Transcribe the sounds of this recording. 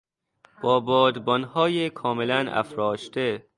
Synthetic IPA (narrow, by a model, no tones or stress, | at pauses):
b̥ɒːbɒːd̪bɒnhɒːjekʰɒːmelænæ̰fɾɒːʃt̪e